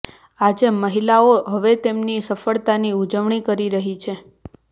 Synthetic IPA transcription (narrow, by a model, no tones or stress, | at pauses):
ad͡ʒeməɦilaoɦəʋet̪emnisəfəɭt̪aniud͡ʒəʋɳikəɾiɾəɦit͡ʃʰe